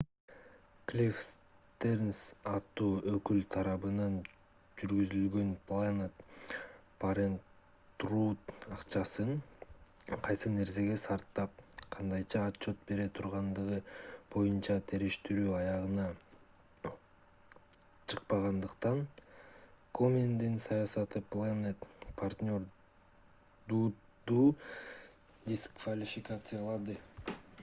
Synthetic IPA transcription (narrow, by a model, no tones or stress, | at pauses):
klʲifst̪ernsɑt̪ːuːøkylt̪ʰɑɾɑβɯnɑn | d͡ʒyɾɡyzylɡø̞nplˠanet̪ | pʰaɾen | t̪ruːt̪ɑqt͡ʃɑsɯɴ | qʰɑjsɯne̞ɾse̞ɡe̞sɑɾt̪ːɑp̚qʰɑnd̪ɑjt͡ʃɑːtt͡ʃːo̞t̪̚be̞ɾe̞t̪ʰuɾʁɑnd̪ɯʁɯbo̞junt͡ʃɑt̪ʰe̞ɾiʃt̪iɾyːɑjɑʁɯnɑ | t͡ʃʰɯq̚pɑʁɑnd̪ɯqt̪ɑn | komʲend̪insɑjɑsɑt̪ɯplˠanet̪pʰart̪ʲnʲo̞ɾ | d̪uː | d̪uː | d̪ʲiskvalʲɪfʲɪkat̪sɨjalˠɑd̪ɯ